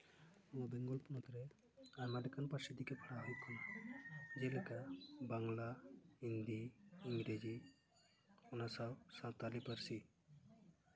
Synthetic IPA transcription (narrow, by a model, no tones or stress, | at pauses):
ɔwabɛŋɡɔlpunɔt̪ɾɛ | aɾmadɛkanpasid̪ikɛkʰɾaɦukʰana | d͡ʒɛlɛkabaŋlaind̪iːŋɡɾed͡ʒi | ɔnasawsãt̪alipəɾsi